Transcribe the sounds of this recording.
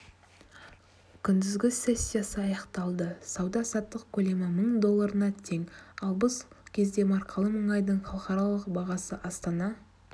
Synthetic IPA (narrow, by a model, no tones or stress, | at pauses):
kʲʰʏnd̪ɪzɡʲɪse̞sʲːijasəɑjɑqt̪ɑlˠd̪əsɑwd̪ɑsɑt̪ːəqkʲʰɵle̞mɪməɴd̪o̞lˠːɑɾənɑt̪ʰe̞ŋɑlˠbəskʲʰe̞zd̪e̞mɑɾqʰəlˠəməɴɑjd̪əɴχɑlˠəqɑɾɑlˠəqbɑʁɑsəʔɑst̪ɑnɑ